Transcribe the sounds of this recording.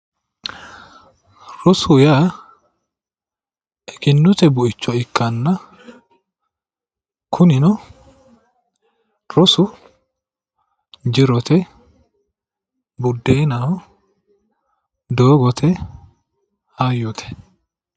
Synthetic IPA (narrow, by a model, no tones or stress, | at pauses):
ɾɔsʊja | ɛkɪnːʊt̪ɛbʊʔɪt͡ʃːɔɪkːɐnːɐ | kʰʊnɪnɔ | ɾɔsʊ | d͡ʒɪɾɔt̪ɛ | bʊd̪ːeːnɐɔ | d̪oːɡɔt̪ʰɛ | haːjɔt̪ʰɛ̥